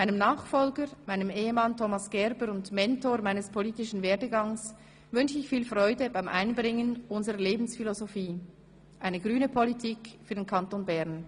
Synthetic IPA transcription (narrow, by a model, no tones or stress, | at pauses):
maɪnəmnaːχfɔlɡəmaɪnəmeːəmantʰomasɡ̥ɛʁbəɾʊndmɛntoːɐmaɪnəspʰoliːtɪʃn̩veːɐdəɡɑŋs | vʏnʃəɪçfiːlfʁɔʏdəbaɪmʔaɪnbʁɪŋənʔʊnzəʁəleːbn̩sfilozofiː | ʔaɪnəɡʁyːnəpʰolitʰiːkfyːɐd̥eːnkʰantonbɛʁn